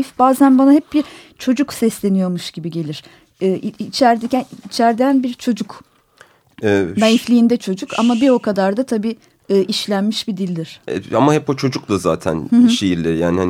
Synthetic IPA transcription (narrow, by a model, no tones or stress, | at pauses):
fbaːzænbanaɦɛp̚biɾt͡ʃʰo̞d͡ʒuksɛslʲe̞nijo̞ɾmuʃɟ̥ibiɟe̞lʲiɾ̥ | ɯːiit͡ʃʰæɾd̪ɛcænit͡ʃʰæɾd̪ænbiɾt͡ʃʰo̞d͡ʒuk | ɛnajiflʲiːnd̪ɛt͡ʃʰo̞d͡ʒukʰa̰mabiokʰad̪aɾd̪at̪ʰabiː | ɯːʔiʃlʲænmiʃbid̪ilʲd̪iɾ̥ɛ̰amahɛpːot͡ʃʰo̞d͡ʒuklˠaza̰ːt̪ʰæ̰nhɯʃejiɾlʲeɾijaːnihan